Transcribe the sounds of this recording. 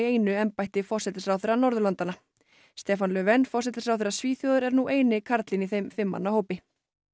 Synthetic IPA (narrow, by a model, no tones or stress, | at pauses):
ejnʏɛmpajht̪ɪfɔr̥sɛt̪ɪsɾawθeɾːanɔɾðʏlant̪ana | st̪ɛːfanlœvɛnfɔr̥sɛt̪ɪsɾawθeɾasviːθjɔːðʏɾɛɾnuʔeːjnɪkʰaɾt̪lɪniθejmfɪmːa̰nːahoːwpɪ